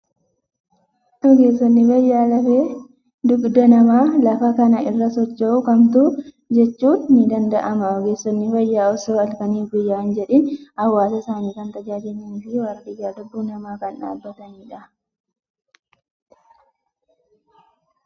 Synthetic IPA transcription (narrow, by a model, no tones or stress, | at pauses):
ʔɔɡe̞ːsːɔnːɪfɐjːaːlɐfeː | d̪ʊɡd̪ɐnɐmaːlɐfɐkɐnɐʔɪrːɐsɔt͡ʃːɛʔʊkɐmt̪uː | d͡ʒɛt͡ʃːuːnːɪd̪ɐnd̪ɐʔɐmɐɔɡe̞ːsːɔnːɪfɐjːaːɔsoːɐlkɐniːfɡʊjːaːnd͡ʒɛᶑɛnɐwːaːsɐsaːniːkɐnt̪ɐd͡ʒaːd͡ʒɛnːɪnɡɪwɐɾdɪjːaːd̪ʊbːuːnɐmaːkɐnᶑa̰ːbːɐt̪ɐniːᶑɐ